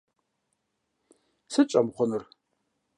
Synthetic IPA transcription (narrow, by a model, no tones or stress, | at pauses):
sɨt͡ʃʼɐmχʷʊnɨr